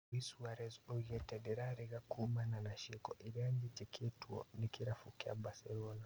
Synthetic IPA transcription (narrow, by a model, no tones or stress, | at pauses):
wisuaɾɛzɔɣɛtɛdɛɾaɾiɣakumananaʃikɔʔiɾiaɲd͡ʒit͡ʃɛkʰɛtuɔ̰nikiɾafukia̰basɛlɔna